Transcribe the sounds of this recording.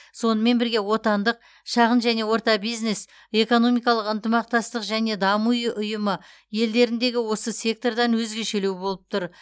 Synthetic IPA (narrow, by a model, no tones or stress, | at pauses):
so̞nəme̞nbɪɾɡʲe̞wo̞t̪ɑnd̪əq̚ | ʃɑʁənʒæne̞wo̞ɾt̪ɑbijzne̞s | e̞ko̞no̞mijkɑlˠəqənt̪əmɑqt̪ɑst̪əqʒæne̞d̪ɑmujəʔʊjəmə | je̞ld̪e̞ɾɪnd̪e̞ɡʲɪwo̞səsʲe̞k̚t̪o̞rd̪ɑnwɵzɡʲe̞ʃe̞lewɪbo̞lˠəp̚t̪ʰʊɾ